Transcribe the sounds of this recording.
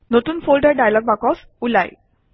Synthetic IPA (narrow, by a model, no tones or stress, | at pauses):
not̪uːnfolɖəɾɖajalɔɡ̚bakɔs | ulaj